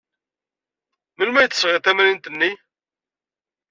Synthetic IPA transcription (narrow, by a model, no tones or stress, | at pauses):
məlmæjt̪ːəsːʁɪθæmæɾint̪ənːi